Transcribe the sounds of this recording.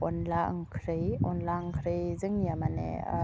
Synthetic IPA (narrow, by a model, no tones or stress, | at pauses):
ɔnla̰ŋkʰɾɯjɔnlaŋkʰɾɯjzɯŋiamanḛ